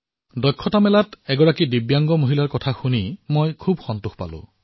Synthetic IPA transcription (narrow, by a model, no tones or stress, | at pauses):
dɔjkʰːɔtamɛlatɛɡɔɹakidibjaŋɡɔmoɦilaɹkɔtʰaxunimojkʰubxɔntuxpa̰lʊ̰̃